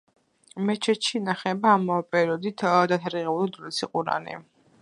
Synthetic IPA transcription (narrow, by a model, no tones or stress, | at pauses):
mɛt͡ʃʰɛt̪ʃinaχɛbaːmɔpʼɛɾiɔd̪it̪ʰd̪at̪ʰaɾiʁɛulˠid̪ulisiqʼuɾa̰nɛ̰